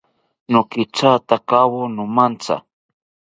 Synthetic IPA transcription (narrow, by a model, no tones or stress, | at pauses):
nʊkɪt͡ʃat̪akawonʊmant͡sa̰